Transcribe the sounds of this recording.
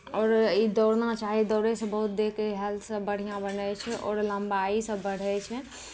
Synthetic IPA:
ɔːɾid̪ɔːɾnat͡ʃaɦid̪ɔɾesə̃bəɦut̪̚d̪ekeɦɛlsə̃bəɽ̤ijãbənɛt͡ʃʰɛʔɔ̰ːɾləmbaisə̃bəɽ̤ɛt͡ʃʰɛ

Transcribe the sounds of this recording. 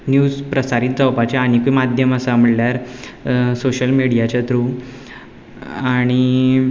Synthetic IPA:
njuːd͡zpɾəsaɾiːt̪̚d͡zawpat͡ɕjaaɽ̃ikumad̪ʱjəməsam̤əɽljaɾ | soɕəlmiɽijat͡ɕat̪ɾu | aɽ̃i

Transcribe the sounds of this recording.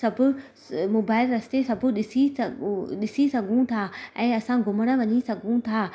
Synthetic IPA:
sɐbʊ̆ | moːbaːɪlɾɐst̪esɐbʱʊ̆ɗɪsi | ɗɪsisɐɡʱũt̪ʰaɛ̃ːɐsãɡʱʊməɽ̃ə̆ʋɐɲisɐɡʱũt̪ʰaː

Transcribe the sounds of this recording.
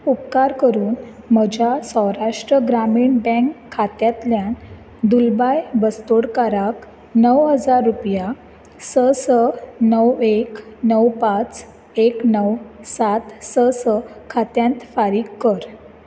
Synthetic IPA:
upkaɾkəɾuːn | m̤əd͡ʑjasə̃wɾaʂʈɾəɡɾamiːɳbə̃ŋkʰːat̪jat̪ljan | d̪ulbajbəst̪oɽkaɾak | nəwɦəd͡zaɾːupja | səsənəwek | nəwpat͡s | eknəwsat̪səsəkʰat̪jãnt̪faɾiːkːəɾ

